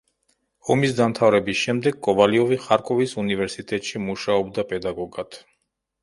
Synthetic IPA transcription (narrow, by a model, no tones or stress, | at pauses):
ɔmisd̪amt̪ʰavɾɛbisʃɛmd̪ɛɡ̚kʼɔbaliɔviχaɾkʼɔvisunivɛɾsit̪ʼɛt̪ʼʃimuʃaɔbd̪apʼɛd̪aɡɔɡat̪ʰ